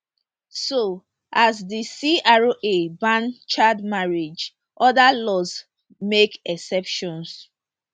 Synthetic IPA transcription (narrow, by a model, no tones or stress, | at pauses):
so | ʔasdisiaɹoʔebãnt͡ʃadmaɹid͡ʒ | ʔɔdalɔs | mekɛsɛpʃɔ̃ns